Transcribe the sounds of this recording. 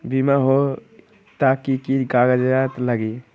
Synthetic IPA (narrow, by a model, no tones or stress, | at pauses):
bimaɦo | t̪akikiɡaɡəd͡ʒat̪ləɡi